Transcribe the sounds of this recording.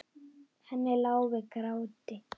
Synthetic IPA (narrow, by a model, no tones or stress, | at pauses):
hʰanɛlaʊβɛkɾautʼɛ